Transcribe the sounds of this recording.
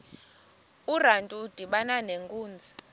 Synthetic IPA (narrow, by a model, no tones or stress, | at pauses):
urantʼuːd̥ʱiɓananeŋkʼuːnd͡zʱi̥